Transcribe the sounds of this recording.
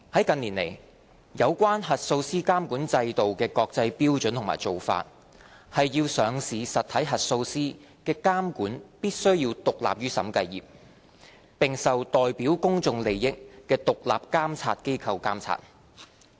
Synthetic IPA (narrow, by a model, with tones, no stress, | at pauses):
hɐ˨˥jkɐ˨˧nliː˨˩nlḛ˨˩j | jɐ˨˧wkʷaː˥nɦɐ˨t̚so˧wsiː˥kaː˥mkuː˨˥nt͡sɐ˧jt̪o˨wkɛː˧kɔː˧k̚t͡sɐ˧jpiː˥wt͡sɵ˨˥nt̪ʰmaː˨˩jt͡so˨˩wfa̰ː˧t̚ | hɐ˨jjiː˧wsœː˨˧ŋsiː˨sɐ˨t̚t̪ʰɐ˨˥jɦɐ˨t̚so˧wsiː˥ | kɛː˧kaː˥mkuː˨˥npiː˥t̚sɵ˥ɥjiː˧wt̪ʊ˨k̚la̰ː˨p̚jyː˥sɐ̰˨˥mkɐ˧jːḭː˨˩p̚ | pɪ˨ŋsɐ˨wt̪ɔː˨˩jpiː˨˥wkʊ˥ŋt͡sʊ˧ŋle˨jːɪ˥k̚kɛː˧t̪ʊ˨k̚la̰ː˨p̚kaː˥mt͡sʰa̰ː˧t̚ke˥jkʰɐ˧wkaː˥mt͡sʰa̰ː˧t̚